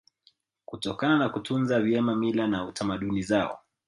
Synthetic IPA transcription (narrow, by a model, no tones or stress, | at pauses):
kutɔkananakutunzavjɛmamilanautamaɗunizaɔ̰